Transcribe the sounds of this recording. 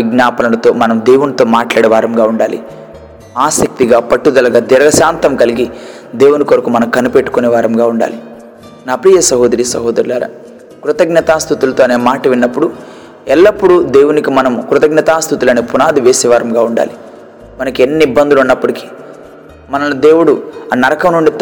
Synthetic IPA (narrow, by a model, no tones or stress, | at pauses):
ʋiɡnaːpɐnɐlɐt̪o̞ːmɐnɐmd̪e̞ːwunit̪o̞ːmaːʈlaːɽɛʋaːɾɐmɡaːuɳɖaːlḭ | aːsɐk̚t̪iɡaːpɐʈːud̪ɐlɐɡaːd̪ɛɾɐɡɐʃaːnt̪ɐmkɐliɡi | d̪eːwunikoɾɐkumɐnɐmkɐnupeʈːu̥koneʋaːɾɐmɡaːuɳɖa̰ːli | naːpɾiːjɐsɐɦoːd̪ɐɾiːsɐɦoːd̪ɐɾlaːɾa̰ː | kɾut̪ɐɡnɐt̪aːst̪ʰut̪ulɐt̪oːneːmaːʈɐʋinːɐpːuɽu | ɛlːɐpːuɽud̪e̞ːwunikimɐnɐmkɾut̪ɐɡnɐt̪aːst̪ut̪ulɐneːpunaːd̪iʋe̞ːsɛʋaːɾɐmɡaːuɳɖa̰ːli | mɐnɐkenːiibːɐnd̪ulunːɐpːuɽiki̥ | mɐnɐlud̪eːwuɽuanɐɾɐkɐmnuɳɖi